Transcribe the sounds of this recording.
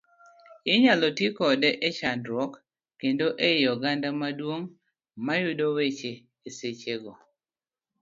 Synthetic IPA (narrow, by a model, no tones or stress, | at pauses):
ɪɲalɔtjikɔdɛʔɛt͡ʃandɾɔkː | endoʔejɔɡandamadwoŋ | majʊdowet͡ʃeː | set͡ʃeɡɔ